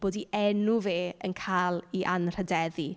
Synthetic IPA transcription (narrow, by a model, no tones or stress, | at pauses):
b̥oːdiʔɛnuveːənkʰaːlˠiʔanr̥ədɛði